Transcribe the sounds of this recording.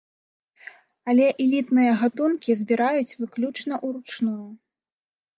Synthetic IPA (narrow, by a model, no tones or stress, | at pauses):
ɐlʲɛʔɛlʲit̪nɨjɐɣat̪unkʲizʲbʲiɾajut͡sʲvɨklʲut͡ʂnɐʔuɾut͡ʂnuju